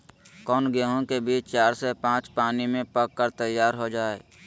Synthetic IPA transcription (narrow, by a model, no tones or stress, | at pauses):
kɔːnɡeːɦõkebiːt͡ʃt͡ʃaːɾsepãːt͡ʃpaːnimẽpəkːəɾt̪əjːaːɾɦod͡ʒaːeː